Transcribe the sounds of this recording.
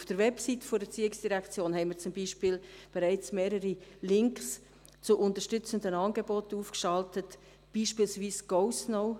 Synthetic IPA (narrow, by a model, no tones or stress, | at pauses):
ufd̥əɾʋɛpsitəfɔɾdət͡siːɪksd̥iɾækt͡sjoːnhɛɪməɾt͡sʊmbiːʃpiːlb̥eɾɛɪt͡smeːɾəɾilɪŋks | t͡sʊʔʊntəɾʃtʏt͡səndənɑːnɡebɔtuːfkʃɑltət | b̥iːʃpiːlsviːsɡ̥oʊsnoʊ